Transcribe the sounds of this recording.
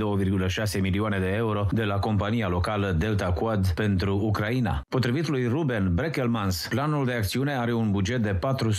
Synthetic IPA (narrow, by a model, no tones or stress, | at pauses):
owəvirɡuləʃase̞miliane̞d̪e̞euɾo̞d̪e̞lako̞mpanijalo̞kaləd̪e̞lt̪akuad̪pe̞nt̪ɾuːkɾaina̰po̞t̪ɾivit̪lujrubenbɾekelmansplanuld̪e̞akt̪siune̞aɾe̞unbud͡ʒet̪̚d̪e̞pat̪ɾu